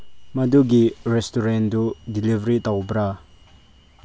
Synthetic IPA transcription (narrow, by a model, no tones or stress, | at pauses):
mad̪uɡiɾɛstuɾɛnd̪udilivɾit̪awbɾa